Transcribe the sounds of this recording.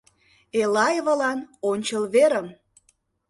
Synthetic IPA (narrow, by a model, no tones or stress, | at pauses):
elɑjβə̆lɑnonʲt͡ɕəlβeɾəm